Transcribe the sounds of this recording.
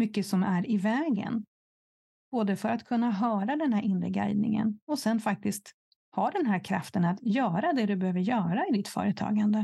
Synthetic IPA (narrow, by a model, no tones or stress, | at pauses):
mʏkːəsɔmæɾɪvɛːɡə̰n | b̥oːd̪əfœɾat̪kʰɵnːaɦœːɾad̪ɛnhæɾɪnɾə̰ɡa̰jd̪̚nɪ̰ŋə̰nɔsɛnfak̚t̪ɪskt̪ | hɑːd̪ɛnɦæːɾkʰɾa̰ft̪ənat̪jœːɾad̪ɛd̪ɵbɛhøːvəɾjœːɾaɪd̪ɪt̪fœ̰ːɾət̪ʰɑ̰ːɡand̪ə